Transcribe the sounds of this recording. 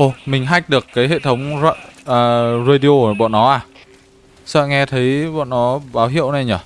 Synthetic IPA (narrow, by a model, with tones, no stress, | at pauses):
ʔo˧˩mï˨˩ŋ̟ɦa˧˩jk̟̚ɗɨ˨˩əkːaː˨˦jɦḛ˧˨t̪ʰə˨˦wŋ͡mzʔəː˨˩zə˧ɗi˧o˧˨˩ɓɔ̰˧˨nːɔ˨˦ʔaː˨˩ | sə̰ː˧˨ŋɛ˧t̪ʰə˨˦jɓɔ̰˧˨nnɔ˨˦ɓaː˨˦wɦḭ˧˨əwna˨˩jɲəː˨˩